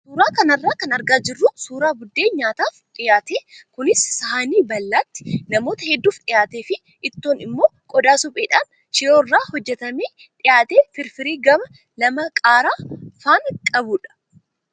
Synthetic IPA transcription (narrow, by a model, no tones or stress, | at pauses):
suːɾaːkɐnɐrːaːkɐnɐɾɡaːd͡ʒɪrːʊsuːɾaːbʊd̪ːe̞ːɲaːt̪aːfᶑɪjaːt̪eːkʊnɪsːɐhaniːbɐlːaːt̪ːɪ̥nɐmo̞ːt̪ɐhɛd̪ːuːfᶑɪjaːt̪eːfɪ | ʔɪt̪ːoːnɪmːo̞ːkʼɔd̪aːsʊpʼeːᶑɐm | ʃɪjoːrːaːhɔd͡ʒːɛt̪ɐmeː | ᶑɪjaːt̪eːfɪɾfɪɾiːɡɐmɐ | lɐmɐkʼaːɾaːfaːnkʼɐbuːᶑɐ̥